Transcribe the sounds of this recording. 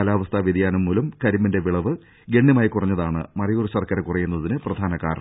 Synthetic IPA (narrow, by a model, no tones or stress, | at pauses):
ɐlaːʋɐst̪ʰaʋid̪ijaːnumːuːlɐmkɐɾiminde̞ʋiɭɐʋɨ | ɡe̞ɳːjɐmaːjikurɐɲːɐðaːɳɨ̰mɐrijorɨsɐrkɐɾɐkurɐjːunːɐðinɨprɐd̪ʱaːnɐka̰ːr